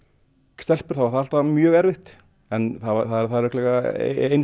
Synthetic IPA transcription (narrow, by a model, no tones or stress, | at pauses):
st̪ɛl̥pʏɾ̥θawvaɾ̥θaal̥t̪amjœːɣɛɾvɪht̪ | ɛnθavaθaðɛɾθaðɛɾvʏht̪lɛɣa̰ejn